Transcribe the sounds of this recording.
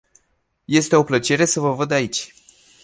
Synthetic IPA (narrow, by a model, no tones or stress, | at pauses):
je̞st̪e̞o̞plət͡ʃe̞ɾe̞səvəvəd̪ait͡ʃʲ